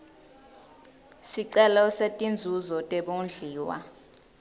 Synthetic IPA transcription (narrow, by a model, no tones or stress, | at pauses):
siǀɛlɔsetʼind͡zʱuzɔtʼɛɓond͡ɮʱiːwa̰